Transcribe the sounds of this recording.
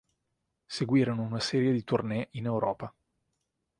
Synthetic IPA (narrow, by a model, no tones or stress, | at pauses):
seɡwiːɾonounasɛːɾjed̪it̪urnɛʔinewɾɔːpa